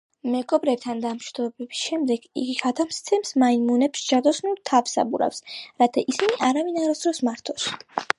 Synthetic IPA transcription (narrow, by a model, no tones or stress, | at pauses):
mɛɡɔbɾɛp̚t̪ʰand̪amʃwid̪ɔbɛbisʃɛmd̪ɛɡ̥ḭɡiɡat̪ʰamst̪sʰɛmsmainmunɛpst͡ʃʰad̪ɔsnut̪ʰavsa̰buɾa̰fsɾat̪ʰaʔisiniʔaɾavinaɾɔsd̪ɾɔsmaɾt̪ʰɔs